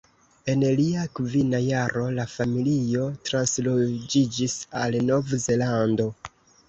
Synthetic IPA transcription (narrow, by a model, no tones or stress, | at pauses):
e̞nliakvinajaɾo̞lafamilijo̞tɾanslod͡ʒid͡ʒisalno̞vze̞lando̞